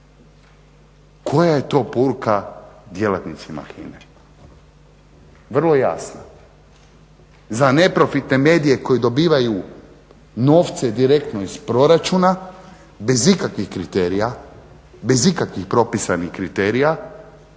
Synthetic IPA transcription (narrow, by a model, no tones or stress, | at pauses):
kʰo̞jaje̞t̪o̞ːpoɾukad̪je̞lat̪nit̪sima̰xḭne | ʋr̩lˠo̞ja̰sna | zane̞pɾo̞fit̪ne̞me̞ːd̪ije̞ko̞jid̪o̞biːʋaju | no̞ːft̪sed̪iɾe̞kt̪no̞ispɾo̞ɾat͡ʃuna | be̞zikakʋixkɾit̪eːɾija | be̞zikakʋixpɾo̞pisanixkɾit̪e̞ːɾija